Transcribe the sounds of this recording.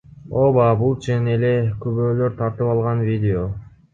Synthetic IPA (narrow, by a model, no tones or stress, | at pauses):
o̞bɑbulˠt͡ʃʰenele̞køβøːløɾt̪ʰɑɾt̪ɯpɑlˠʁɑnvʲid̪ʲɪo̞